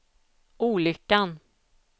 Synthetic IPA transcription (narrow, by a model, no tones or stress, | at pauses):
ʔuːlʏkːan